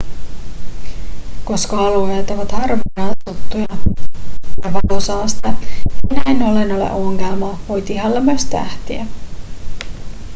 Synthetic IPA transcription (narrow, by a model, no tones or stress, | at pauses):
ko̞skɑɑluɦe̞ːt̪oʋɑt̪hɑrʋinɑːt̪ut̪ːujɑ | jɑʋɑk̪osɑːst̪ɑinæenolenolḛʔuŋkæmɑʋo̞jt̪iɦɑlːemøst̪æ̰ht̪iæ